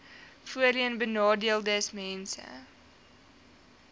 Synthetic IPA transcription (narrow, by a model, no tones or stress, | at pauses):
fuəɾiənbənɑːdiəlˠdəːsmɛnsə̰